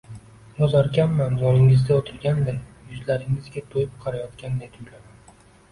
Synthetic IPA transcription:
ɒzaɾkʲamːand̪ɒnɪŋɪzd̪ʲaot̪ʰɪɾɡʲand̪ɪnjʊzlaɾɪŋɪzɡʲat̪ʰojɪp̚qʰɑɾajɒt̪kʲand̪ed̪ʊjlaman

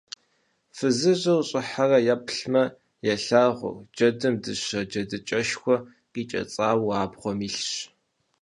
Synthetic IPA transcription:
fɨzɨʑɨwɕʼɪħarɐjapʰɬmɐ | jɐɬaːʁʷʊ̰d͡ʒɐdɨmdɨɕɐd͡ʒɐdɨt͡ʃʼɐʃxʷɔ | qiːt͡ʃʼɐ̰t͡sʼaːwaːbʁʷɔmiːɬɕ

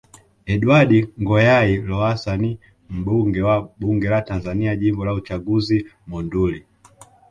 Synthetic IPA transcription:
ɛɗuaɗiŋɡɔjailɔasani | m̩ɓuŋɡɛwaɓuŋɡɛlatanzaniaʄimbɔlaut͡ʃaɡuzimɔnduli

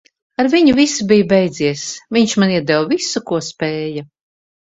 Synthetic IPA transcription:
aɾviɲuvisubijbɛjd̪ziɛsviɲʃmaniɛd̪ɛwvisukuɔspɛːja

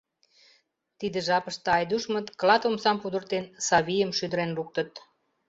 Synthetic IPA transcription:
t̪id̪ə̆ʒɑpə̆ʃt̪ɑjd̪uʃmə̆t̪klɑt̪omsɑmpud̪ə̆rt̪ensɑβijəmʃyd̪ə̆ɾenruk̚t̪ə̆t̪̚

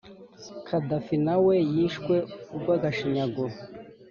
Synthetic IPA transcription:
kʰad̪afinawɛjiʃkwɛuɡwaɡaʃiɲaɡo

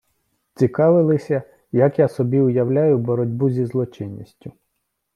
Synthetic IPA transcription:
t͡sʲikɑʋɪlˠɪsʲɐ | jɐkjasɔbʲiʊjɐwlʲajʊbɔɾɔdʲbuzʲizlˠɔt͡ʃɪnʲːisʲtʲʊ

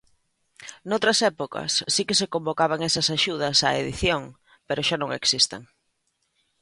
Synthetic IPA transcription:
nowt̪ɾɐsɛpokɐ̰sːikɪsekombokaβ̞aŋɛsɐsaʃuð̞ɐsa̰ḛðiθjoŋ | peɾʊʃanõŋḛksist̪eŋ

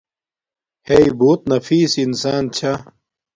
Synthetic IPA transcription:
heiboːt̪̚nɐfiːsinsaːnt͡ɕʰa

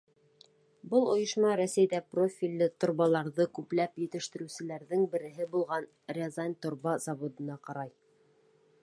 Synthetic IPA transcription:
bɤlˠŏjɤ̆ʃmɑɾæsæjd̪æprofʲilʲːɘt̪ŏɾβɑlˠɑɾðɤkʉplæpjɘ̆t̪ɘ̆ʃt̪ɘ̆ɾʉ̆sɘ̆læɾðɘŋbɘ̆ɾɘ̆ɦɘbulˠʁɑn | rʲezɑnʲt̪ŏɾβɑzɑβod̪ɤ̆nɑqɑɾɑj

